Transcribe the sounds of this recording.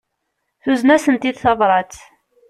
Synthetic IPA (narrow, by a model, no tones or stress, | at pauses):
θuznæsənt̪id̪θɑvɾˤɑt͡s